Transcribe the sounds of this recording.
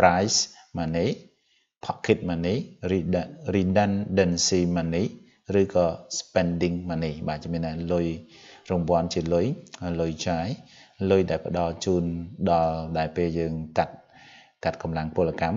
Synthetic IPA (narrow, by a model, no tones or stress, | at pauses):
prajsmaniː | pʰɑʔkʰːit̪̚maːniːririːɗənɗənsiːmaniː | rɨːkɑːspɛnɗiŋmaːniːɓaːt͡ɕmiənːalʊj | rumʋŏənt͡ɕiəlʊjlʊjt͡ɕaːjlʊjɗaɛlpə̆ɗɑlt͡ɕuːnɗɑlɗaɛlpeːljəːŋkat̪̚ | kat̪̚kɑmlaŋpʊəlakam